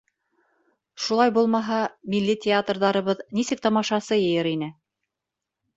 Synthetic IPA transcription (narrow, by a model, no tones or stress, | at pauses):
ʃulˠɑjbulˠmɑɦɑmilːitʲɪat̪rðɑɾɤ̆βɤðnisɘk̚t̪ɑmɑʃɑsɤjɤ̆jɤɾinɘ